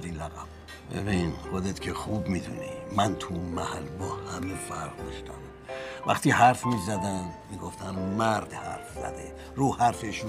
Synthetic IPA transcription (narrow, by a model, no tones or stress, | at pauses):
d̪inlæɣæm | ḛminxod̪et̪cʰexubmid̪unimænt̪ʰunmæhælbɒːhæmefæɾʁd̪ɒʃt̪ʰæmvæ̰χt̪iːɦæɾfmizæd̪æmmiːɡoft̪ʰæmmæɾd̪hæ̰ɾfzæ̰d̪ḛ | ɾuːhæɾfeʃ